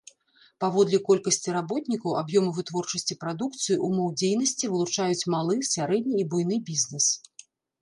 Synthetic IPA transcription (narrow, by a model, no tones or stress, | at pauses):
pavɔd̪lʲɛkɔlʲkɐsʲt͡sʲiɾabɔt̪nʲikɐwabjɔmɐvɨt̪vɔrt͡ʂɐsʲt͡sʲipɾad̪uk̚t̪sɨjiʔumɔwd͡zʲejn̪ɐsʲt͡sʲivɨlˠut͡ʂajut͡sʲmalˠɨsʲaɾɛd̪ʲnʲiːbujnɨbʲizʲnɛs